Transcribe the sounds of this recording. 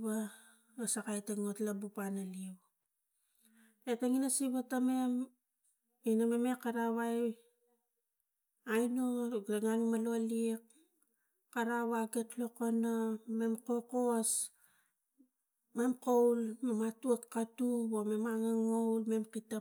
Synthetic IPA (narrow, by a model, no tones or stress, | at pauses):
βa | asakajtaŋotlabupanaliw | etaŋinasiβatame̞m | inamemekːaɾaβaj | ajnoɡeŋanumalolikː | aɾaβaɡe̞tlo̞koname̞mko̞ko̞s | me̞mkowlmematuakːatubome̞maŋaŋo̞wlme̞mkita